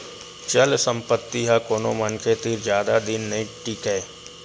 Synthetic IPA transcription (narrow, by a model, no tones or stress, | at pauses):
t͡ʃɐlsə̃mpət̪ːiɦakoːnomɐnkʰet̪ɪɾd͡ʒjaːd̪ad̪ɪnːɐĩʈiːkɦɛe